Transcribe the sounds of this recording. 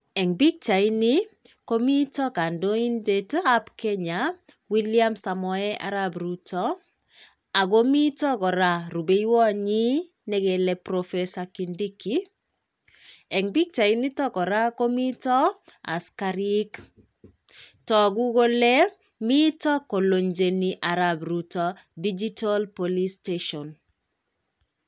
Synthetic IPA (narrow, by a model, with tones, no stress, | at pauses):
ɛ˨ŋbi˦k̚t͡ʃa˨i˦ni˦ko˦mi˦tɔ˦ka˨ndo˦i˦ndeta˦pkɛ˦ɲawi˦lia˦msa˨mɔ˨ɛ˦ʔa̰˨ɾabɾutɔ˦ | a˨ɡo˦mi˦tɔ˦kɔ˨ɾa˦ɾu˨be˦ji˦wɔ˦ɲi˦ | nɛ˦ɡe˨lɛpɾɔfesaki˨ndi˦ki | ɛ˨ŋbi˦k̚t͡ʃa˨i˦ni˦tɔ˦kɔ˨ɾa˦ko˦mi˦tɔ˦a̰˨skaɾik | tɔ˨ɡu˦ɡo˦le˦ | mi˦tɔ˦ko˨lo˨ɲd͡ʒe˨niʔa˨ɾabɾutɔdid͡ʒi˦ta˦lpoli˦steʃɔn